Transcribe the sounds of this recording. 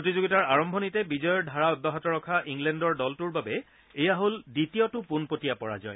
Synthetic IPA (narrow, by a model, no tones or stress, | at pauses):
potizoɡitaɹaɹɔmbʱɔnitɛbizɔjɔɹdʱaɹaɔbaɦɔtɔɹɔkʰaʔiŋɡlɛndɔɹdɔltuɹbabɛ | ejaɦolditijɔtʊpunpotijapɔɹa̰zɔ̰j